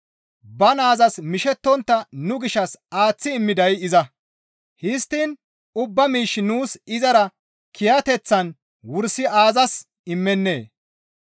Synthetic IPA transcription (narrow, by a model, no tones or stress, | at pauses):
bɐnaːzɐsmɪʃɛt̪ːɔnt̪ːɐnʊɡɪʃɐsaːt͡sːɪːmːɪd̪ɐjɪzɐ | hɪst̪ːiːn | ʊbːɐmiːʃːɪnuːsɪzɐɾɐ | kʰɪjɐt̪ɛt͡sːɐn | wʊɾsɪaːzɐs | ɪmːɛnːe̞ː